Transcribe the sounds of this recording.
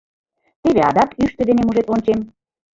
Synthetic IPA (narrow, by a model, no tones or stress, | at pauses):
t̪eβeɑ̰d̪ɑkyʃt̪ə̆d̪enemuʒet̪onʲt͡ɕem